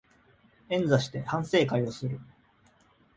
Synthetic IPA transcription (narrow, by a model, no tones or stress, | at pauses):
ẽ̞nd͡zaɕi̥t̪e̞hãɰ̃se̞ːkajo̞sɨɾɯ̟